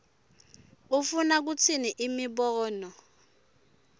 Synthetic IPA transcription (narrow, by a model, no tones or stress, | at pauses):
ufunak̬ut͡sʰiniʔimiɓɔːnɔ